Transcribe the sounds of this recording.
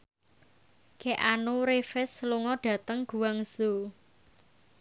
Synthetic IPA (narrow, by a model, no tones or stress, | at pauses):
kɛʔanuɾefɪsluŋɔɖ̥a̤t̪əŋɡ̥uwaŋso